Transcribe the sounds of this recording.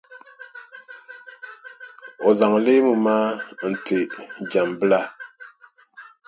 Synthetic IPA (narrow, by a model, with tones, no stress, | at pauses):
ɔ˨za˨ŋle˦mu˨ma˦n̩˨te˨d͡ʒa˨mbla˦˨